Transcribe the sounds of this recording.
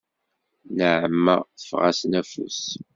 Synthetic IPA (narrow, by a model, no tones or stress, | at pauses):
nəʕəmːə̰θə̥fʁæ̰snæfṵs